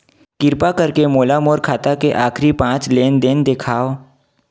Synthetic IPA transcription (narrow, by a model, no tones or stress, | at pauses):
kɪɾpakɐɾkemoːlamoːɾkʰaːt̪akeʔaːkʰɾipãːt͡ʃleːnd̪end̪ekʰaːo